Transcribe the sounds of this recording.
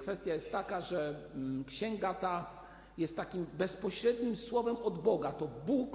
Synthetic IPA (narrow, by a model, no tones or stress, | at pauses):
kfɛst̪ʲjajɛst̪ːakaʐɛkɕɛŋɡat̪a | jɛst̪ːakʲimbɛspɔɕɾɛd̪ɲimswɔvɛmɔd̪bɔɡat̪ɔbuk